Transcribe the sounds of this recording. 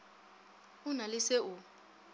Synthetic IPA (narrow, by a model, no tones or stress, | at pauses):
unalɪsɛu